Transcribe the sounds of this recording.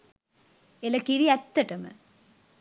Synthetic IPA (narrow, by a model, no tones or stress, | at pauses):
elɐkiɾiɛt̪ːɐʈɐmɨ̰